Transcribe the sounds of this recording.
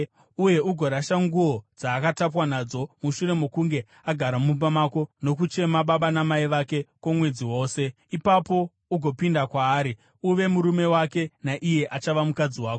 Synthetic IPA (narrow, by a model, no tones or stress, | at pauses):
uje̞uɡʱo̞ɾaʃaŋɡuo̞d͡zaːkatap̬wanad͡zo̞muʃuɾe̞mokuŋɡe̞ | aɡʱaɾamup̬amako̞no̞k̬ut͡ʃe̞maɓaɓanamaiʋake̞kwomwe̞d͡ziwo̞ːse̞ | ipapo̞ | uɡʱo̞pindakwaːɾi | uʋe̞muɾume̞wake̞naʔije̞ʔat͡ʃaʋamukad͡ziwaːko